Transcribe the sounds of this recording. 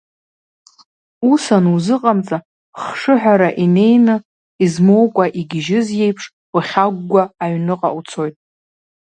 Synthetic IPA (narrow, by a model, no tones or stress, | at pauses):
usanuzɨqʼamt͡sʼa | χʂɨħʷᶣaɾaʔine̞jnɨ | izmowkʷʼaʔiɡʲɪʒɪzje̞jpʰʂ | uχʲaɡːʷaːɥnɨqʼa̰ʔut͡sʰo̞jtʼ